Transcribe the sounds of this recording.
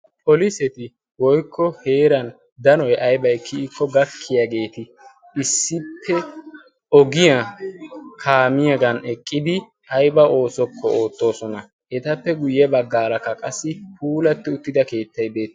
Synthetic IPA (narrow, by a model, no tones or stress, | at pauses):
pʼɔlɪsɛt̪ɪ | wɔjkʰːɔhe̞ːɾɐn | d̪ɐnɔjʔɐjbɐɛkʰːɪːkːɔɡɐkʰːɪjaːɡe̞ːt̪ɪ | ɪsːɪpʰːɛ | ɔɡɪja | kʰaːmɪjɐɡɐnɛkʼːɪd̪ɪ | ʔɐjbɐʔo̞ːsɔkːɔoːt̪ːo̞ːsɔnɐ | ɛt̪ɐpːɛɡʊjːɛbɐɡːaːlɐkːɐkʼɐsːɪpuːlɐt̪ːɪʊt̪ːɪd̪ɐke̞ːt̪ːɐjbe̞ːt̪ː